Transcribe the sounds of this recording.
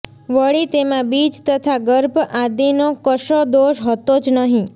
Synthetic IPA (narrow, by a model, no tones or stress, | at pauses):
ʋəɭit̪emãbid͡ʒt̪ət̪ʰaɡəɾbʱad̪inokəʃod̪oʃɦət̪od͡ʒnəɦĩ